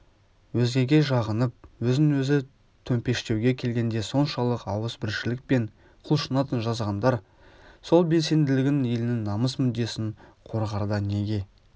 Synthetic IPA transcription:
wɵzɡʲe̞ɡʲe̞ʒɑʁənəp̚wɵzɪŋwɵzɪ | t̪ʰɵmpe̞ʃt̪e̞wɡʲe̞kʲʰe̞lɡʲe̞nd̪e̞so̞nʃɑlˠəqɑwəsbɪɾʃɪlɪk̚pe̞ɴ | qʰʊlˠʃənɑt̪ənʒɑzʁɑnd̪ɑɾ | so̞lˠbe̞lse̞nd̪ɪlɪɡʲɪnje̞lɪnɪŋnɑməsmʏd̪ːe̞sɪŋqʰo̞ɾʁɑɾd̪ɑne̞ɡʲe̞

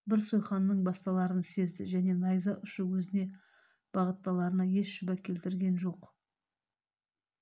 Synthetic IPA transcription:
bɪɾsojχɑnːəɴbɑst̪ɑlˠɑɾənse̞zd̪ɪ̰ʒæne̞nɑjzɑʔʏʃəwɵzɪne̞ | b̥ɑʁət̪ːɑlˠɑɾənɑje̞sʃʊbɑkʲʰe̞lt̪ɪɾɡʲe̞nʒo̞q

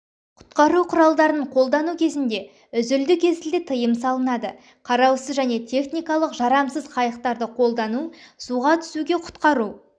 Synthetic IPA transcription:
qʰʊ̥t̪qɑɾuqʰʊɾɑlˠd̪ɑɾənəɴqʰo̞lˠd̪ɑnukʲʰe̞zɪnd̪e̞ | ʏzʏld̪ɪkʲʰezɪld̪ɪt̪ʰəjəmsɑlˠənɑd̪ə | qʰɑɾɑwsəzʒæne̞t̪ʲʰe̞χnijkɑlˠəqʒɑɾɑmsəzqʰɑjəqt̪ɑɾd̪əqʰo̞lˠd̪ɑnusuʁɑt̪ʰʏ̥suɡʲe̞qʰʊ̥t̪qɑɾu

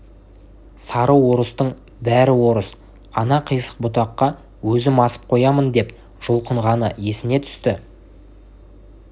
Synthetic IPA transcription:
sɑɾəwːo̞ɾəst̪əɴ | bæɾɪwo̞ɾəs | ɑnɑqʰəjsə̥q̚bʊt̪̬ɑqːɑ | wɵzɪmɑsə̥p̚qʰo̞jɑmənd̪e̞p | ʒ̥ʊlˠqəɴʁɑnəje̞sɪne̞t̪ʰʏ̥st̪ɪ

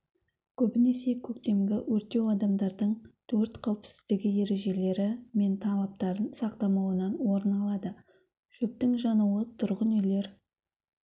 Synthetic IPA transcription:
kʲʰɵbɪne̞se̞kʲʰɵk̚t̪e̞mɡʲɪwʔɵɾt̪e̞wɑd̪ɑmd̪ɑɾd̪əɴt̪ʰɵɾt̪qʰɑwpsɪ̥zd̪ɪɡʲɪje̞ɾe̞ʒe̞le̞ɾɪme̞nt̪ʰɑlˠɑp̚t̪ɑɾənsɑqt̪ɑmɑwənɑnwo̞ɾənɑlˠɑd̪ə | ʒ̥ɵp̚t̪ɪŋʒɑnuət̪ʰʊɾʁənʏjle̞ɾ

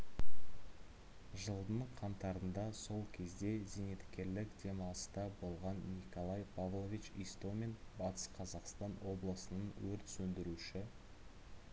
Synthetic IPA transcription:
ʒəlˠd̪əɴqʰɑnt̪ɑɾənd̪ɑso̞lˠkʲʰe̞zd̪e̞zine̞t̪kʲːe̞ɾlɪkd̪̥e̞mɑlˠəst̪ɑbo̞lˠʁɑnːiko̞lˠɑjpʰavlˠovʲit͡ʃijst̪ome̞nbɑt̪ə̥sqʰɑzɑqst̪ɑnwo̞blˠəsənənwɵɾt̪sɵnd̪ɪɾuʃɪ

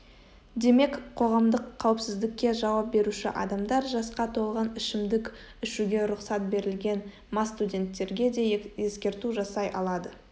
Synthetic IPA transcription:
d̪e̞me̞kqʰːo̞ʁɑmd̪əqʰːɑwɪpsɪzd̪ɪkʲːe̞ʒɑwɑp̚be̞ɾuʃɪʔɑ̰d̪ɑmd̪ɑɾʒɑsqɑt̪ʰo̞lˠʁɑnɪʃɪmd̪ɪk | ɪʃuɡʲe̞ɾʊqsɑt̪̚be̞ɾɪlɡʲe̞n | mɑst̪udʲe̞nt̪ːe̞ɾɡʲe̞d̪e̞je̞skʲe̞ɾt̪uʒɑsɑjʔɑlˠɑd̪ə

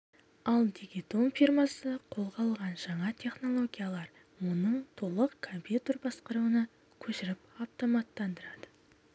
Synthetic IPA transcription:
ɑlˠd̪iɡʲit̪o̞nfirmasəqʰo̞lˠʁɑlˠʁɑnʒɑɴɑt̪ʲʰe̞χno̞lˠo̞ɡʲijalˠɑɾ | wonəɴt̪ʰo̞lˠəqkʰompʲjut̪rbɑsqəɾuwənɑ | kʲʰɵʃɪɾɪpaft̪o̞mɑt̪ːɑnd̪əɾɑd̪ə

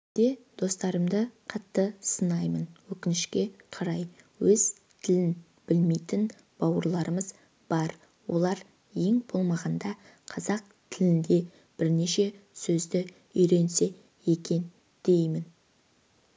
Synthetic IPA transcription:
d̪̥e̞d̪̥o̞st̪ɑɾəmd̪əqʰɑt̪ːəsənɑjmənwɵkʲɪnɪʃkʲe̞qʰɑɾɑjwɵz̥ | t̪ʰɪlɪn | b̥ɪlmejt̪ɪn | b̥ɑwəɾlˠɑɾəməz | b̥ɑɾ | wo̞̰lˠɑɾ | je̞ŋbo̞lˠmɑʁɑnd̪ɑ | qʰɑzɑq̚ | t̪ʰɪlɪnd̪e̞ | b̥ɪɾne̞ʃe̞sɵzd̪ɪ | ʏjɾe̞nse̞ | je̞kʲe̞n | d̪̥e̞jmɪn

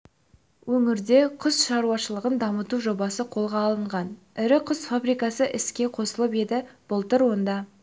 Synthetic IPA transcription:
wʔɵŋɪɾd̪e̞qʰʊzʃɑɾuɑʃəlˠəʁənd̪ɑmət̪uʒo̞bɑsəqʰo̞lˠʁɑːlˠəɴʁɑn | ɪɾɪqʰʊzfabɾijkɑsəʔɪskʲe̞qʰo̞səlˠəpe̞d̪ɪb̥ʊlˠt̪əɾwo̞nd̪ɑ

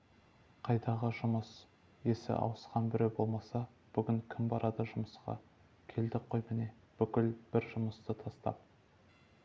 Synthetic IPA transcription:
qʰɑjd̪ɑʁəʒʊməs | je̞sɪ̰ʔɑ̰wəsqɑnbɪɾe̞wbo̞lˠmɑsɑ | b̥ʏɡʲɪŋkʲʰɪmbɑɾɑd̪ɑʒʊməsqɑ̰ | kʲʰe̞ld̪ɪqʰːo̞jmene̞ | b̥ʏkʲɪlb̥ɪɾʒʊməst̪ət̪ʰɑst̪ɑ̰p̚

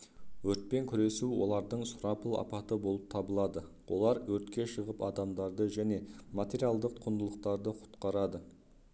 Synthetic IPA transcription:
wɵɾt̪̚pe̞ŋkʲʰʏɾe̞suwo̞̰lˠɑɾd̪əɴsʊɾɑpəlˠɑ̰pɑt̪əbo̞lˠəp̚t̪ʰɑbəlˠɑd̪ə | wʔo̞̰lˠɑɾwɵɾt̪kʲe̞ʃəʁəpɑd̪ɑmd̪ɑɾd̪əʒæne̞mat̪ʲe̞ɾijalˠd̪əq̚q̪ʰʊnd̪əlˠəq̚t̪ɑɾd̪əqʰʊ̥t̪qɑɾɑd̪ə

